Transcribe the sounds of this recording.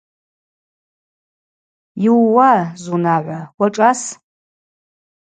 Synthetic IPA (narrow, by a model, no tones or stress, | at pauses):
jiwwazunaʕʷawaʈ͡ʂʼas